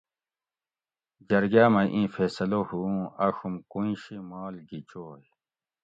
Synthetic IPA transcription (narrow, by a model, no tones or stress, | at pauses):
d͡ʑɐɾɡaːmɐʔĩːfeːsɐlohuɐɕumkuĩɕimaːlɡit͡ɕoːj